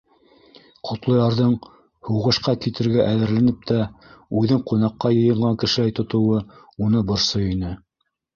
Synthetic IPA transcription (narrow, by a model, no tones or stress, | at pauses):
qʰŏt̪lˠɤ̆jɑɾðɤɴ | huwʁɤ̆ʃqɑkit̪ɘ̆ɾɡæʔæðɘ̆ɾlænɘp̚t̪æʉðɘɴqunɑqːɑjɤ̆jɤ̆ɴʁɑŋkɘ̆ʃɘ̆læjt̪ŏt̪ŏwɤ | unɤbɤ̆ɾsojinɘ